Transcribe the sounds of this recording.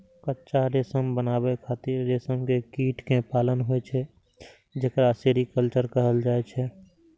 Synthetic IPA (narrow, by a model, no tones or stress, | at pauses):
kətːʃaɾeːsəmbənaːbekʰaːt̪ɪɾːeːsəmkekiːʈʰkẽpaːlənɦoet͡ʃʰɛ | d͡ʒekɾaseːɾikəlt͡ʃəɾkəɦəld͡ʒaːet͡ʃʰɛ